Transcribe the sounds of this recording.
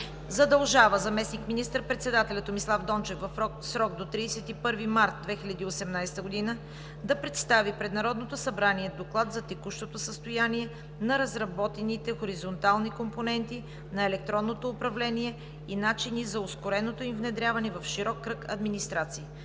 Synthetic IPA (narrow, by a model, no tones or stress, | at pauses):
zɐd̪ɐlˠʒavəzɐmɛsnikminist̪əɾpɾɛt̪sɛd̪at̪ɛlʲɐt̪ːomislˠavd̪ɔnt͡ʃɛfvɐf | sɾɔɡ̚d̪ot̪ɾisɛt̪ipɤɾvimaɾt̪̚d̪vɛxilʲɐd̪iosɛmnajst̪əɡod̪inə | d̪ɐpɾɛt̪st̪avipɾɛd̪nɐɾɔd̪not̪osɐbɾaniɛd̪oklˠat̪zɐt̪ɛkuʃt̪ot̪osəst̪ojaniɛ | nɐɾɐzɾɐbɔt̪ɛnit̪ɛxoɾizont̪alˠnikomponɛnt̪i | nɐɛlɛkt̪ɾɔnːot̪oːpɾɐvlɛniɛ | inat͡ʃinizɐʊskoɾɛnot̪oimvnɛd̪ɾʲjavɐnɛvɐfʃiɾɔkːɾɤkɐ̰d̪minist̪ɾat̪siː